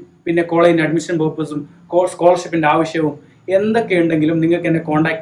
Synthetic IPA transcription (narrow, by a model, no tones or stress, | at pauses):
pinːe̞ko̞ːɭɐjinɐɖmiʂɐnpoːpːɐsumkoskoːlɐrʂipːindeaːʋɐɕjɐʋum | e̞nd̪okːejuɳɖe̞ŋɡilumniŋːɐɭkɨɐnːeko̞ːɳɖaːkː